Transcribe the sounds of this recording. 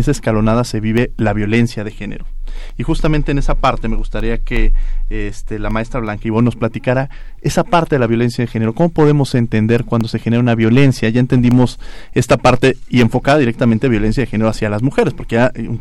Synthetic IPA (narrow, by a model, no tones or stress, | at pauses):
eseskalo̞naðase̞βiβe̞laβjo̞le̞nsjaðe̞xe̞nḛɾo̞ixust̪ament̪eːne̞sapaɾt̪e̞me̞ɣust̪aɾiake̞est̪elamae̞st̪ɾaβlaŋkaiβo̞no̞splat̪ikaɾae̞sapaɾt̪e̞ðelaβjo̞le̞nsjað̞e̞xe̞neɾo̞ko̞mo̞po̞ðe̞mo̞se̞nt̪e̞nd̪e̞ɾkwand̪ose̞xeneɾaunaβjo̞le̞nsjaʝae̞nt̪e̞nd̪imo̞se̞st̪apaɾt̪e̞ie̞ɱfo̞kaðaðiɾe̞k̚t̪ament̪̞βjo̞le̞nsjaðexe̞neoasjalazmuxe̞ɾespoɾkea